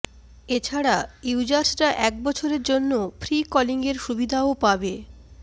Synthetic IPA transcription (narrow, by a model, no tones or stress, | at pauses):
et͡ɕʰaɽaiwd͡ʑaɾsɾaʔɛk̚bɔt͡ɕʰoɾeɾd͡ʑonːofʰɾikɔliŋɡeɾʃubid̪ʱaopabe